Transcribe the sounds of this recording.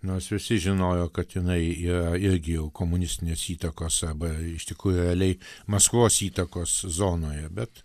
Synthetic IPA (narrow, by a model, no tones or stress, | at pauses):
noːsʋʲɪsʲɪʒʲɪnoːjoːkɐt̪jɪnɐɪiːɾɐɪɾʲɡʲɪjɛʊkoːmʊnʲɪsʲt̪ʲɪnʲeːsiːt̪ɐkoːsɐrbɐɪʃt̪ʲɪkɾuːjuɾʲɛɐlʲɛɪmɐskʋoːsiːt̪ɐkoːszoːnoːjɛbʲɛt̪